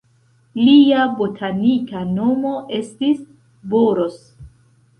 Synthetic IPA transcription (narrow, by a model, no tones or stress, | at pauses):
liabotʰanikano̞mo̞ʔe̞stis | boɾos